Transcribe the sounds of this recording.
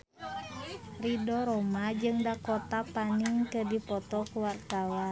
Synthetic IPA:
ridɔɾɔmad͡ʒɨŋdakɔt̪apaniŋkədipɔt̪ɔkuwart̪awa

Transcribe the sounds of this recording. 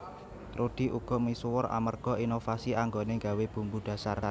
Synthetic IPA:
t̪ɾod̪̥i̤ʔṵɡ̥ɔ̤misuwɔra̰mərɡ̥ɔ̤inofasiʔaŋɡoneŋɡaweb̥ṳmbud̥ä̤sar

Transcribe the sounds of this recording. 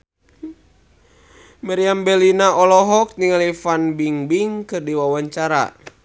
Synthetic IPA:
maɾiambɛlinaʔɔlɔɦɔk̚niŋalifanbiŋbiŋkɨrdiwawaɲt͡ʃaɾa̰

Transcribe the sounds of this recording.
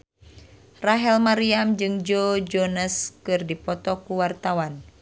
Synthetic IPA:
raɦɛlmaɾiamd͡ʒɨŋd͡ʒod͡ʒɔnəskɨrdipɔt̪ɔkuwart̪awan

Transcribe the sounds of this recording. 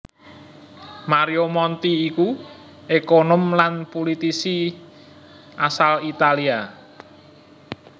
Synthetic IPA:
maɾiomɔnt̪iːku | ekonɔmlanpolit̪isi | ʔasalit̪alia

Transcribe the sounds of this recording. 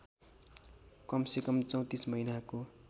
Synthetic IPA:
kʌmsekʌmt͡sʌw̃t̪ismʌɦinako

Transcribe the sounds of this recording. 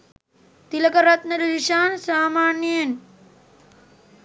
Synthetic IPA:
t̪ilɐkɐɾɐt̪nɐɾɐɾiʃaːnsaːmaːnjeːn

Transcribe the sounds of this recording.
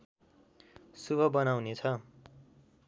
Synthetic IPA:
subʱʌbʌnawnet͡sʰʌ

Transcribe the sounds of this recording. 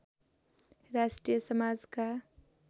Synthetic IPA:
ɾasʈɾijʌsʌmad͡zka

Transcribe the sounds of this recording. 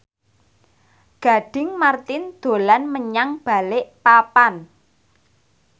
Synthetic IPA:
ɡ̥a̤ɖ̥ɪ̤ŋmart̪ɪnd̪̥o̤lanməɲaŋb̥a̤lɪʔpapan

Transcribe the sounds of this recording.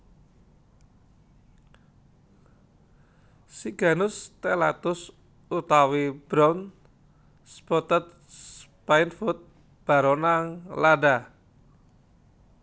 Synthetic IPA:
siɡ̥a̤nʊst̪ela̰t̪ʊs | ut̪awib̥ɾɔn | spɔt̪ət̪̚ | s | painfʊt̪̚ | b̥a̤ɾɔnaŋlada

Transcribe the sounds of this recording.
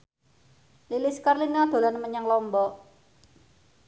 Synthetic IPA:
lilɪskarlinad̪̥o̤lanməɲaŋlɔmbɔʔ

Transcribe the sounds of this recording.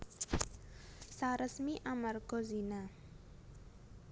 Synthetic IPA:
saɾəsmiʔamərɡozina

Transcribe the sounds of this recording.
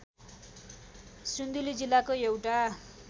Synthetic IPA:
sund̪ulid͡zilːakoewʈa

